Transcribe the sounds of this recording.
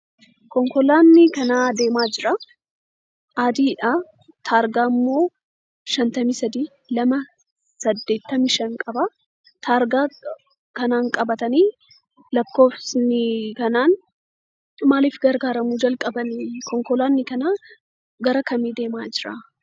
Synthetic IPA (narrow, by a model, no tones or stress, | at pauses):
kɔŋkɔlaːnːɪkɐnaːd̪e̞ːmaːd͡ʒɪɾɐ | ʔaːd̪iːᶑaː | t̪ʰaːɾɡaːmːo̞ː | ʃɐnt̪ɐmiːsɐd̪iː | lɐmɐ | sɐd̪ːe̞ːt̪ːɐmiʃɐŋkʼɐba | t̪aːɾɡaː | kɐnaːŋkʼɐbɐt̪ɐniː | lɐkːo̞ːfsnɪkɐnaːn | maːliːfɡɐɾɡaːɾɐmuːd͡ʒɐlkʼɐbɐnɪkɔŋkɔlaːnːɪkɐnaː | ɡɐɾɐkɐmiːd̪e̞ːmaːd͡ʒɪɾɐ̰